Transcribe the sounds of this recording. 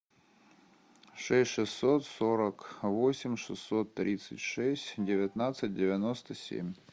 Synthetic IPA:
ʂɛsʲtʲʂɨsːot̪soɾəkvosʲɪmʲʂɨsːot̪ːɾʲit̪sɨ̰tʲʂɛsʲtʲdʲɪvʲɪt̪nat̪sɨt̚ʲdʲɪvʲɪnost̪əsʲḛmʲ

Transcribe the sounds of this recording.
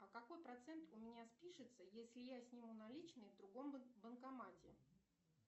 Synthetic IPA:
ɐkɐko̞jpɾɐt̪sɛnt̪ʊmʲɪnʲaspʲiʂɨt̪səjesʲlʲɪjasʲnʲɪmunɐlʲit͡ɕnɨjvd̪ɾʊɡo̞mbənkɐmatʲɪ

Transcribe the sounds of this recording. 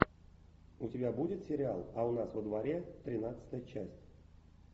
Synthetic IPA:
utʲɪbʲabudʲɪt̪sʲeɾʲɪalˠaunasvəd̪vaɾʲet̪ɾʲɪnat̪sə̥t̪əjət͡ɕæsʲtʲ

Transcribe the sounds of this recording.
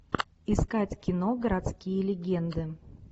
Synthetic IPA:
ɪskatʲkʲɪnoɡəɾat̪skʲijəlʲɪɡʲend̪ɨ

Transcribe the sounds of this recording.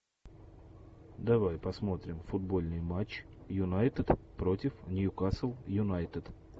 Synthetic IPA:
d̪ɐvajpɐsmo̞t̪ɾʲɪmfʊd̪bo̞lʲnɨjmat͡ɕː | jʊnajt̪ɨt̪pɾo̞tʲɪfnʲjʊkasəlˠjʊnajt̪ɨt̪

